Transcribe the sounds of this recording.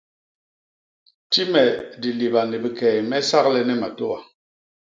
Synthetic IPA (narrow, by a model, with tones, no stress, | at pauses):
ti˦mɛ˨di˨li˨ba˨ne˨bi˨kɛː˨mɛ˦sa˦ɣlɛ˦nɛ˦ma˨to˦a˨